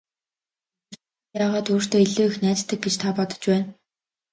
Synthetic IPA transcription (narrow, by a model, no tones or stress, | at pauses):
r | jaːʁaːt̪ʰuːr̥t̪oːiɮoːixnæːt͡ɕt̪ʰːə̆k̚ɡet͡ɕt̪ʰapɔt̪ɞ̥̆t͡ɕpæːn